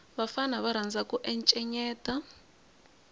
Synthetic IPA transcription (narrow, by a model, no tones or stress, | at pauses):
βafanaβaɾ̤and͡zakuʔɛnt͡ʃʼɛɲɛːtʼa